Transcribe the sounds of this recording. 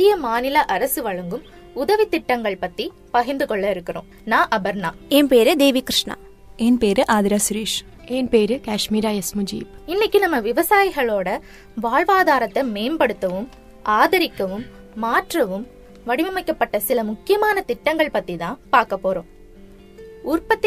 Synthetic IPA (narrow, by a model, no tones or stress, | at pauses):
t̪ːɪjɐmaːnɪlɐʔɐɾɐsɯʋɐɻɐŋɡɯm | ʊðɐʋit̪ɪʈːɐŋɡɐɭpɐt̪ːi | pɐɣɪɾnd̪ɯkɔɭːɐɪɾɯkːɪɾõ̰ː | nãːʔɐbɐɾnaːɛnpeːɾɯd̪eːʋikɾɪʂɳa̰ | ɛnpeːɾɯʔaːðɪɾaːsʊɾiːʂ | ɛnpeːɾɯkaːʂmiːɾaːɐsmʊd͡ʒḭːpɪnːɪkʲːɯnɐmːɐʋɪʋɐsaːjɣɐɭoːɽɐ | ʋaːɻʋaːðaːɾɐt̪ːɐmeːmbɐɽɯt̪ːɐʋɯm | ʔaːðɐɾɪkːɐʋɯmː | aːʈrɐʋɯm | ʋɐɽɪʋɐmɐɪkːɐpːɐʈːɐsɪlɐmʊkːɪjɐmaːnɐt̪ɪʈːɐŋɡɐɭpɐt̪ːit̪ãːnpaːɾkɐpːoːɾõː | ʊrpɐt̪ː